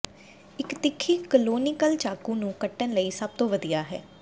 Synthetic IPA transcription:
ɪkt̪ɪkʰːiːkəloːnɪkəlt͡ʃaːkuːnũːkəʈːənləiːsəb̚t̪õːʋəd̪ijaːɦɛ̰ː

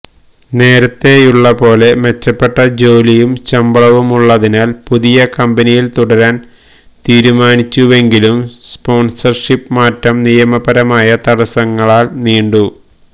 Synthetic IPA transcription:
ne̞ːɾɐt̪ːe̞juɭːɐpo̞ːle̞me̞t͡ɕːɐpːe̞ʈːɐd͡ʑo̞ːlijumt͡ɕɐmbɐɭɐʋumuɭːɐðinaːlpuðijɐkɐmbɐnijilt̪uɽɐɾaːn | t̪iːɾumaːnit͡ɕːuʋe̞ŋɡilumspo̞ːnsɐrʂipːmaːtːɐmnijɐmɐbɐɾɐmaːjɐt̪ɐɽɐsɐŋːɐɭaːlniːɳɖu

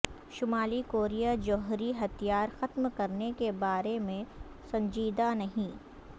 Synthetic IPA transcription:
ʃʊmaːlikoːɾijad͡ʒɔːɦɾiɦɐt̪ʰijaːɾxɐt̪mkɐɾnekebaːɾemẽ | sɐ̃ɲd͡ʒiːd̪anɐɦĩ

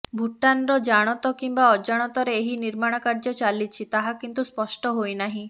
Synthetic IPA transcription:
bʱuʈanɾɔd͡ʒaɽ̃ɔt̪ɔkimbaɔd͡ʒaɽ̃ɔt̪ɔɾeːɦiniɾmaɽ̃ɔkaɾd͡ʒɔt͡ʃalit͡ʃʰit̪aɦakint̪uspɔsʈɔɦojnaɦĩ

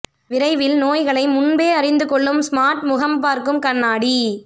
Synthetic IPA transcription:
ʋɪɾɐɪʋɪlnoːjɣɐɭɐɪmʊɳbeːɐɾɪnd̪ɯkɔɭːɯmsmaːɾʈmʊɣɐmpaːɾkɯmkɐnːaːɽi

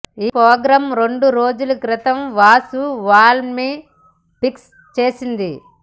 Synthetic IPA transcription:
iːpɾoːɡɾɐmɾeɳɖuɾo̞ːd͡ʒulukɾɪt̪ɐmʋaːsuʋaːlmi | piks | t͡ʃeːsind̪i

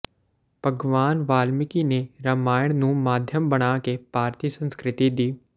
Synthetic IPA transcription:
b̥ʱɐɡʋaːnʋaːlmɪkineɾɐmaːjəɽ̃nũmaːd̪ʱjəmbɐɽ̃aːkepaːɾt̪isə̃nskɾɪt̪id̪iː

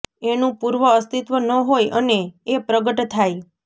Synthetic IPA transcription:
enũpuɾʋəːst̪it̪ʋənəɦojəneepɾəɡəʈt̪ʰaj

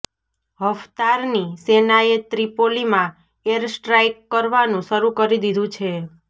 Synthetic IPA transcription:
ɦəʋt̪aɾnisenaet̪ɾipolimã | eɾsʈɾajkːəɾʋanũʃəɾũkəɾid̪id̪ʱũt͡ʃʰe

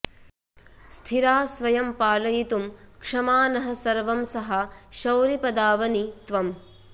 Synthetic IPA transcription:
st̪ʰiɾaːsʋɐjɐmpaːlɐjit̪umkʂɐmaːnɐɦɐ̆sɐɾʋɐmsɐɦɐʃɐwɾipɐd̪aːʋɐnit̪ʋɐm

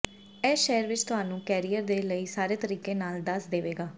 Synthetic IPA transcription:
ɛːʃɛːɾʋɪt͡ʃt̪ʊɦaːnũːkɛːɾijəɾd̪eːləiːsaːɾeːt̪əɾiːkẽːnaːld̪əsd̪eːʋeːɡaː

